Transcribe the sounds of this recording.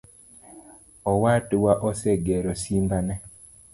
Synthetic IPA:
ɔwatwaʔɔsɛɡɛɾosimbanɛ

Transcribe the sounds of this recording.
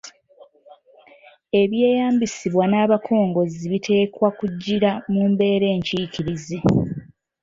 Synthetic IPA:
e̞βje̞ːjaːmbisiβwanaːβakʰo̞ːŋɡo̞ziβitʰe̞ːkwakuɟːiɾamuːmbe̞ːɾe̞ːɲciːciɾizi

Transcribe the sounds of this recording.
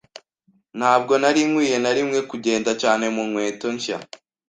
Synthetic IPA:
n̥haːb̚ɡo̞naɾimŋwiːje̞naɾimŋe̞kuɟe̞ːndacaːne̞munwe̞ːto̞ɲʃa̰

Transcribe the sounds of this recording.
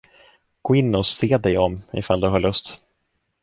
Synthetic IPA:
ɡ̥oːɪnːɔseːd̪ɛjɔmɪ̰fald̪ɵɦaːɭɵst̪

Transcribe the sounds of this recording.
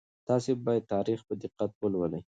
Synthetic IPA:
t̪ɑsebɑjad̪̚t̪ɑɾixpəd̪ɪqːat̪wəlwələj

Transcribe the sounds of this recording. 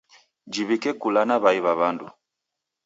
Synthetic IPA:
d͡ʒiβikɛkulanaβaiβaβandu

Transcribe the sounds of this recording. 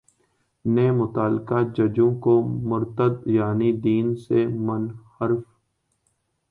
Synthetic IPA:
neːmʊt̪aːlkad͡ʒɐd͡ʒõkomʊɾt̪əd̪jaːnid̪iːnsemənhəɾf

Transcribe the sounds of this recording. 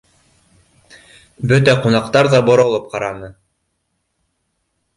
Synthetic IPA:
bɵt̪æqunɑqt̪ɑɾðɑbŏɾŏlˠɤp̚qɑɾɑnɤ

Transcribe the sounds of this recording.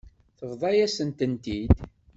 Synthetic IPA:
θəvðˤɑjæsənt̪ənt̪id̪

